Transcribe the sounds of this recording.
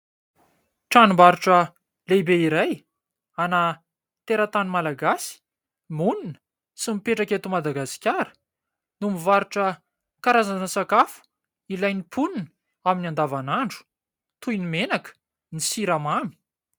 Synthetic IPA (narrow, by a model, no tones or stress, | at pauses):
ʈ͡ʂanumbaɾuʈ͡ʂə | lebeiɾaj | ana | t̪eɾat̪animalaɡasi̥ | muninə̥ | simipeʈ͡ʂakʲet̪umad̪aɡasi̥kʲaɾə̥ | numivaɾuʈ͡ʂə | kaɾazanəsakafu̥ | ilajnipʰunin | aminiand̪avanaɳɖ͡ʐu̥ | t̪ujnimenakə̥ | nisiɾamami̥